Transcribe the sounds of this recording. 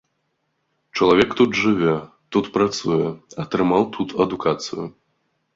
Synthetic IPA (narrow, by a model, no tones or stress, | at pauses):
t͡ʂɐlˠavʲɛkt̪ut̪ʐɨvʲɛ | t̪ut̪pɾat̪sujɛɐt̪ɾɨmawt̪ʰut̪ʰɐd̪ukat̪sɨ̰jʊ